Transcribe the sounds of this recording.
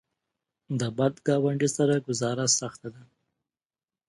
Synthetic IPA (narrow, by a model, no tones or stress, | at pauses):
d̪əbad̪ɡɑwaɳɖisaɾaɡʊzɑɾasaxt̪ad̪a